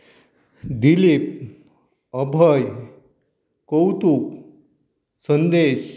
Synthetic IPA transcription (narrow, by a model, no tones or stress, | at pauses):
d̪ilip̚ | əbʱəj | kowt̪uk | sənd̪eɕ